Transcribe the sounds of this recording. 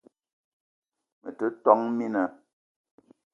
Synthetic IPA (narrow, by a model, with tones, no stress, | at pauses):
mə˨tə˦tɔ˦ŋmi˦nə˨